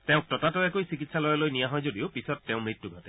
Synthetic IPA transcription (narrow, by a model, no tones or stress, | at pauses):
tɛʊ̃k̚tɔtatɔɛkojsikitsalɔjɔlojnijaɦɔjzodiopisɔtːɛʊ̃mɹitːuɡʱɔtɛ